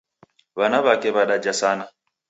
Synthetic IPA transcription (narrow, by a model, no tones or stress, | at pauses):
βanaβakɛβaɗad͡ʒasana